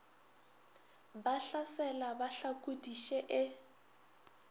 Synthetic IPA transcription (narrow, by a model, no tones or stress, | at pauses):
baɬasɛlabaɬakʼudiʃɛʔɪ